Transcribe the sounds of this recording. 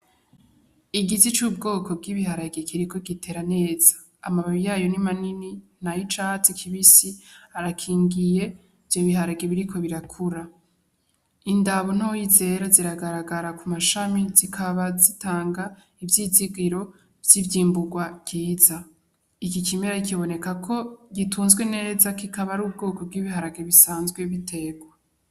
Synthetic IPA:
iɡizit͡ʃuːb̚ɡo̞ːko̞bɡiβiɦaɾaɡekʰiɾiko̞ɡitʰe̞ːɾane̞ːz̥ḁːmaβaβijaːjo̞nimaninin̥ajit͡ʃat͡sikʰiβisiaɾakʰiːŋɡije̞ | v̥jo̞βiɦaɾaɡeβiɾiko̞βiɾakʰuɾa | indaβo̞n̥ojize̞ɾaziɾaɡaɾaɡaɾakumaʃamizikʰaβazitaːŋɡa | ivjiziɡiɾo̞ | vjivjiːmbuɡwabɡiːza | ikikime̞ɾaikiβo̞ne̞kakʰo̞ɡituːnzɡwene̞ːzakikaβaɾuːb̚ɡo̞ːko̞b̚ɡiːβiɦaɾaɡeβisaːnzɡwe̞βitʰe̞ɡwa

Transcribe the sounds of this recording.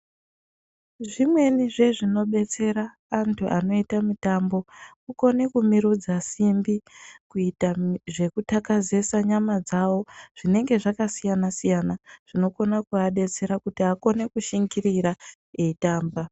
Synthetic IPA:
ʐimwe̞niʐe̞ʐino̞ɓe̞t͡se̞ɾaː | ntʰuʔano̞itamitambo̞kuko̞ne̞kumiɾud͡zasimbikuitaʐe̞kutakaze̞saɲamad͡zawo̞ʐ̥ine̞ŋɡe̞ʐakasijanasijanaʐ̥ino̞ko̞nakuaɗe̞t͡se̞ɾakutiako̞ne̞kuʃiŋɡiriɾa | eitaːmba

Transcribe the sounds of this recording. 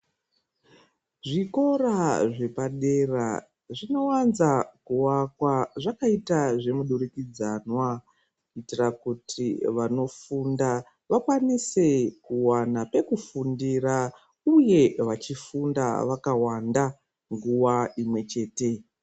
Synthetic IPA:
ʐiko̞raʐe̞paɗe̞ra̰ | ʐino̞wanzakuwakwaʐakaitaʐe̞muɗurikid͡zanwa | kitirakutʰiʋano̞funda | ʋakwanise̞kuwanape̞kufundira | uje̞ʋat͡ʃifunda̰ʋakawanda | ŋɡuwaimwe̞t͡ʃe̞ːte̞

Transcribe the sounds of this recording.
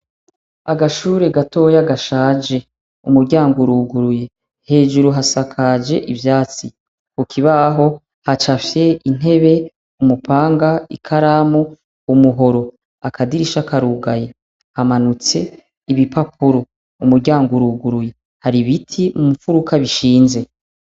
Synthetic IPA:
aɡaʃuːɾe̞ɡato̞ːjaɡaʃaːd͡ʒe̞ | ṵmuɾɟaːŋɡuɾuːɡuɾuje̞ | he̞ːʒuɾuɦasakʰad͡ʒe̞ʔivjaːt͡si | kukʰiβaɦo̞ | hat͡ʃafje̞in̥e̞βe̞ | umupʰaːŋɡaḭkʰaɾamu | umuɦo̞ɾo̞ | akʰadiɾiʃakaɾuɡaje | hamanut͡se̞ | iβipapʰuɾo | umuɾɟaːŋɡuɾuːɡuɾuje̞ | haɾiβitʰimumufuɾukʰaβiʃiːnze̞

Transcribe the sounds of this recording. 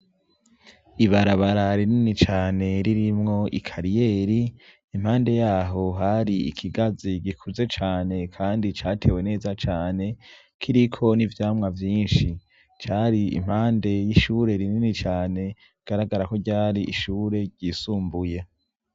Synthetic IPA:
iβaɾaβaɾaɾininit͡ʃaːne̞ɾiɾimŋo̞ʔḭkʰaɾije̞ːɾiː | m̥haːnde̞jaːɦo̞ɦaɾiḭkʰiɡaziɟikʰuze̞t͡ʃaːne̞kʰaːndit͡ʃaːtʰe̞we̞ne̞ːzat͡ʃaːne̞ | kʰiɾikʰo̞nivjaːmŋavjiːnʃi | t͡ʃaːɾiḭm̥haːnde̞jiʃuːɾe̞ɾininit͡ʃaːne̞ | iɡ̥aɾaɡaɾako̞ɟaːɾiʔiʃuːɾe̞ɟiːsuːmbuje

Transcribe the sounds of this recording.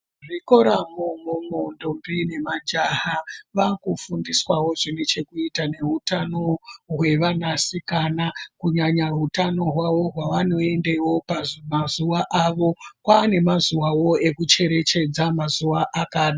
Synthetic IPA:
ʐiko̞ɾamomumondombine̞mad͡ʒaɦaʋakufundiswawo̞ʐinet͡ʃe̞kuitane̞ɦutano̞ɦwe̞ʋanasikanakuɲaɲaɦutano̞ɦwaʋo̞ɦwaʋano̞e̞ndewo̞pamazuʋaʔaʋo̞kwaːne̞mazuwawo̞e̞kut͡ʃe̞ɾe̞t͡ʃe̞d͡zamazuʋaʔakaːɗa

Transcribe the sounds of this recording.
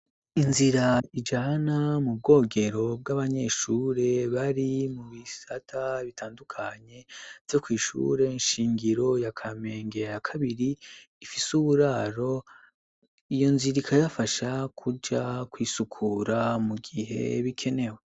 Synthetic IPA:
inziɾaid͡ʒanamub̚ɡo̞ːɡe̞ɾo̞b̚ɡaβaɲe̞ːʃuːɾe̞βaɾimuβisatʰaβitʰaːndukʰaɲe̞v̥jo̞kwiːʃṵɾe̞nʃiːŋɡiɾo̞jakʰame̞ːŋɡejakʰaβiɾiː | fisuβuɾaɾo̞ | ijo̞nziɾikʰajafaʃakʰud͡ʒakwiːsukʰuɾamuɡiɦe̞̰βikʰe̞ne̞we

